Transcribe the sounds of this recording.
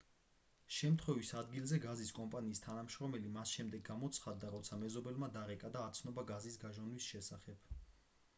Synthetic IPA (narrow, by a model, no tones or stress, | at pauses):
ʃɛmt̪ʰχwɛvisad̪ɡilzɛɡaziskʼɔmpʼaniːst̪ʰanamʃɾɔmɛlimasʃɛmd̪ɛɡːamɔt̪sʰχad̪ːaɾɔt̪sʰamɛzɔbɛlmad̪aɾɛkʼad̪aːt̪sʰnɔbaɡazisɡaʒɔnwisʃɛsaχɛb̥